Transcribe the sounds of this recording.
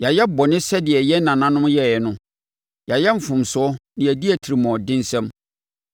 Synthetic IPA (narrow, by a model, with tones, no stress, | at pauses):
ja˨jɛ˦bɔ˨nɪ̃˦sɛ˦dɪ˨ɛ˨jɛ˦nã˨nã˨nʊ̃˦mjɛ˦˨ɛ˨nʊ̃˦ | ja˨jɛ˦ɱ̩˨fʊ̃˨m˨sʊ˨˦ɔ˦nɪ̃˨æ˨di˦æ˨tʰi˨ɾi˨mɔ̃˨dɪ̃˦n˦sɛ̃˦m